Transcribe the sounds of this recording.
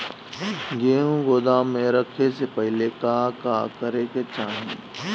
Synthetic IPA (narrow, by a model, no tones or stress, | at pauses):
ɡeːɦũɡoːd̪aːmẽɾɐkʰesepɛɦlekaːkaːkəɾeket͡ʃaːɦẽ